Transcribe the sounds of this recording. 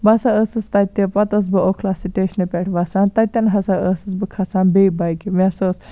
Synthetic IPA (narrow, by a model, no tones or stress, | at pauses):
bɐsaəsɨst̪ɐt̪ːepɐt̪ɐs̬bɨokʰlasiʈeːʃnepʲeʈʰʋɐsaːnt̪ɐt̪ʲːɐnɦɐsaəsɐsbɨkʰɐsaːnbeibɐjkiʋesoːs